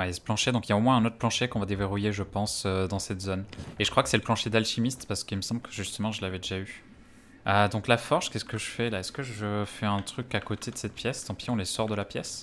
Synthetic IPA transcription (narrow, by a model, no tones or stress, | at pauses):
wɛjasə̥plɑ̃ʃed̪ɔ̃kiljaomwɛ̃ɛ̃not̪χəplɑ̃ʃekɔ̃vad̪eveʁujeʒəpɑ̃sød̪ɑ̃sɛt̪zoneʒə̥kχwakə̥sɛləplɑ̃ʃed̪alʃimist̪paʁsə̥kilməsɑ̃mbləkʰə̥ʒyst̪əmɑ̃ʒəlavɛd̪eʒay | ød̪ɔ̃klafɔʁʃkʲɛsə̥kəʒəfɛlaɛskəʒəfɛɛ̃t̪χykakot̪ʰed̪əsɛt̪̚pjɛst̪ɑ̃pjiɔ̃lesɔʁd̪əlapjɛs